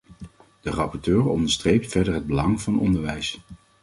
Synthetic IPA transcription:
d̥ərɑpɔɹtøːɹɔ̰ndəɹstrejp̚tfɛɹdəɹɦəd̚bəlɑŋvɑnɔ̰ndəɹʋɛjs

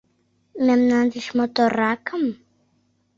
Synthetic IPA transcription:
mamnandiʃmot̪oɾakam

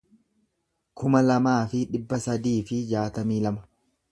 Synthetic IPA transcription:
kʰʊmɐlɐmaːfɪᶑɪbːɐsɐd̪iːfɪd͡ʒaːt̪ɐmiːlɐmɐ̥

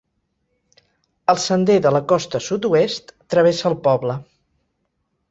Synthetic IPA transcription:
əlˠsənd̪eðələkɔst̪əsut̪uest̪ːɾəβ̞esəːlˠpɔβlə

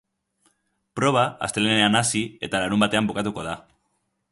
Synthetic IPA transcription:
pɾo̞β̞aa̰st̪e̞leene̞anasie̞t̪alaɾumbat̪e̞ambokat̪uko̞ð̞a

